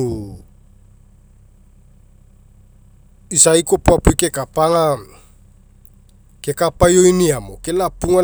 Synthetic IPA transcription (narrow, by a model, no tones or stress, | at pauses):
isaikopuapuikekapaŋa | kekapajoiniamo̰kelapuŋa